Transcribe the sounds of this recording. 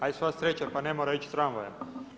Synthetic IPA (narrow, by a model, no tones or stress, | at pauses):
ajsʋast̪ɾet͡ɕapanemoɾait͡ɕsɾanʋojem